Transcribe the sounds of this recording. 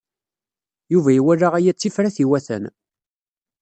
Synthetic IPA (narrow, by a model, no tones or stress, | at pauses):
juvæiwæɾaʁæjæt͡sːifɾæθiwæθə̰n